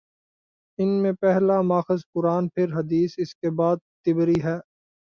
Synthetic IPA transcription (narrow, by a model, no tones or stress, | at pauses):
ɪnmẽpɛɦlamaːxəzpʊɾaːnpʰɪɾɦɐd̪iːsɪskebaːd̪̚t̪ɪbɾiɦɛː